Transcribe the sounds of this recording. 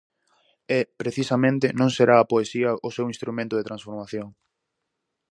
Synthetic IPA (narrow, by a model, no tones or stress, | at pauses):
ɛpɾeθisɐmẽnt̪ɪnõŋseɾaːpoesiɐʔʊsewinst̪ɾumẽnt̪ʊðet̪ɾãnsfoɾmaθjoŋ